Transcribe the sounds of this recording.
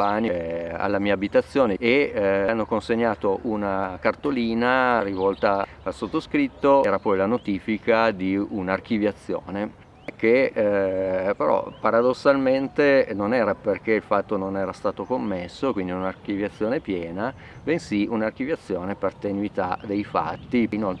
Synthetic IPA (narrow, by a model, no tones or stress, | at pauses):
ania̰lːamiːaːbit̪at̪sːjoːneeanːokonseɲːaːt̪oʔunakart̪oliːnarivɔlt̪a | alsot̪ːoskɾit̪ːoɾapɔjlanot̪iːfikʰad̪iunark̟ivjat̪sːjo̰ːne | k̟ːe | peɾɔ̰paɾad̪osːalment̪enonɛːɾaperk̟eilfat̪ːononɛːɾast̪aːt̪okomːesːokwind̪iunark̟ivjat̪sːjoːnepjɛːna | bensiunark̟ivjat̪sːjoːnepert̪enuit̪a̰d̪ejfa̰t̪ːino